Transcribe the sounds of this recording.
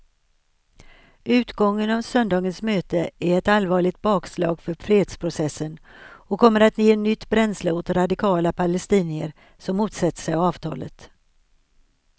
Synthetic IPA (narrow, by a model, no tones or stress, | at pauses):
ʉ̟ːt̪ɡɔŋːənavsœnd̪ɑːɡənsmøːt̪əæɾɛt̪alvɑːɭɪɡ̚t̪̚bɑːkslɑːɡfœɾfɾeːheːd̪spʰɾʊsɛsːənɔkʰɔmːəɾat̪jeːɛnːʏt̪ːbɾɛnsləʊt̪ɾad̪ɪkʰɑːlapʰalɛst̪iːnɪəɾ | sɔmːuːt̪sɛt̪ːə̥ʂɛjavɑːvt̪ʰɑ̰ːlə̰t̪